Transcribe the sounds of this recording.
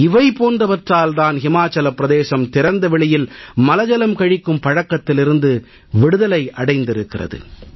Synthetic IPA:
ɪʋɐɪpoːndɐʋɐʈraːld̪aːnhɪmaːt͡ʃːɐlɐpːɪɾɐðeːsɐmt̪ɪɾɐnd̪ɐʋɪɭɪjɪlmɐlɐd͡ʒɐlɐmkɐɻɪkːɯmpɐɻɐkːɐt̪ːɪlɪɾɯnd̪ɯ | ʋɪɽɯðɐlɐɪʔɐɽɐɪnd̪ɪɾɯkːɪrɐ̰ðɯ̰

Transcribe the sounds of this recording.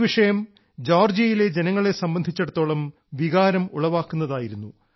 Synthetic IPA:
ʋiʂɐjɐm | d͡ʑoːrd͡ʑijile̞d͡ʑe̞nɐŋːɐɭe̞sɐmbɐnd̪ʱit͡ɕːeɽut̪ːo̞ːɭɐm | ʋiɣaːɾɐmuɭɐʋaːkːunːɐðaːjiɾunːu

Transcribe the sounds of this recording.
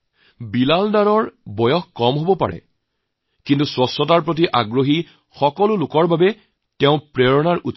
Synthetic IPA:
bilaldaɹɔɹbɔjɔxkɔmɦobɔpa̰ɹɛ̰ | kintuswɔsɔtaɹpɹot̬iʔaɡɹoɦi | xɔkɔlʊlʊkɔɹbabɛ | tɛʊ̃pɹeɹɔnaɹut

